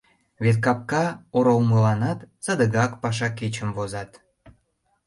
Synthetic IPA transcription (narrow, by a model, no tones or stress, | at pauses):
βet̪̚kɑp̚kɑoɾowməlɑnɑt̪sɑd̪əɣɑkpɑʃ̬ɑket͡ɕəmvozɑt̪